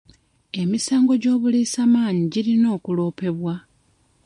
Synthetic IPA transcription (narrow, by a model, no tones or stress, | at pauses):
e̞misaːŋɡo̞ɟo̞ːβuliːsamaːɲiɟilino̞ːkulo̞ːpe̞βwa